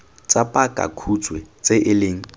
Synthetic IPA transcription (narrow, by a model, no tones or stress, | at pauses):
t͡sʼapʼakʼa̰kʰut͡sʼwɛt͡sʼeʔɪleːŋ̩